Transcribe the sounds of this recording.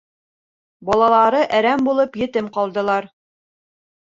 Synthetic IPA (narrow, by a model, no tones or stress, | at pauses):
bɒlˠɑlˠɑɾɤʔæɾæmbulˠɤpjɘ̆t̪ɘmqɑlˠd̪ɤ̆lˠɑɾ